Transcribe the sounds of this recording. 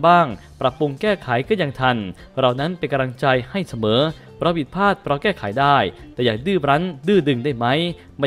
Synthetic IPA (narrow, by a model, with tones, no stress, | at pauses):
baː˥˩ŋ | pɾa˨˩pːu˧ŋkɛː˥˩kʰa˩˦jkɔː˥˩ja˧˩ŋt̪ʰa˧n | ɾa˧˩wna˦˥npe˧nka˧ɾa˧ŋt͡ɕa˧jha˥˩jsa˧mɤː˩˦ | pʰɾɔ˦˥pʰi˨˩t̪̚pʰaː˥˩t̪̚pʰɾɔ˧˥kɛː˥˩kʰaː˩˦jdaː˥˩jt̪ɛː˨˩jaː˨˩k̚dɯː˥˩ɾa˦˥ndɯː˥˩dɯ˧ŋdaː˥˩jma˦˥j | ma˧˥